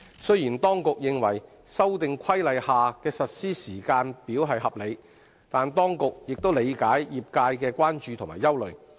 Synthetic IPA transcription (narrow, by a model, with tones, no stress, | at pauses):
sɵ˥ɥjiː˨˩nt̪ɔː˥ŋkʊ˨k̚jɪ˨ŋwɐ˨˩j | sɐ˥wt̪ɪ˨ŋkʷʰɐ˥jlɐ˨jhaː˨kɛː˧sɐ˨t̚siː˥siː˨˩kaː˧npiː˨˥wɦɐ˨jɦɐ˨p̚le˨˧j | t̪aː˨nt̪ɔː˥ŋkʊ˨k̚jɪ˨k̚t̪o˥wle˨˧jkaː˨˥jjiː˨˩p̚kaː˧jkɛː˧kʷaː˥nt͡ʃyː˨t̪ʰʊ˨˩ŋmaː˨˩jɐ˥wlɵ˨ɥ